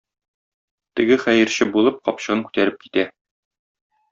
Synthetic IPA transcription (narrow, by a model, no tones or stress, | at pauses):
t̪ɘ̆ɡɘχæjɘ̆ɾɕɘbulˠɤp̚qɒpɕɤ̆ʁɤŋkʉ̥t̪æɾɘp̚ki̥t̪æ